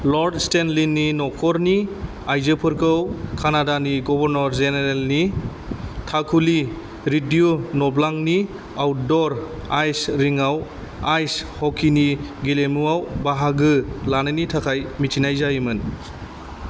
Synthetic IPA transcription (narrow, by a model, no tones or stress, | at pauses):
lɔɾdstenlinːinɔkʰɔɾni | ajzɯpʰɯɾkʰɯwkʰanadaniɡɔbɔɾnɔɾzeneɾelni | tʰakʰuli | ɾidiunɔblaŋni | awdɔɾajsɾiŋaw | ajshɔkʰiniɡilemuawbaɦaɡɯlanɯnitʰakʰajmitʰinajzajimɯn